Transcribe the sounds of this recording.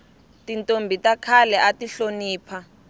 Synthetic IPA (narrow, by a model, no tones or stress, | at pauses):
tintʼombʱitakʰalɛʔatiɬoniːpʰa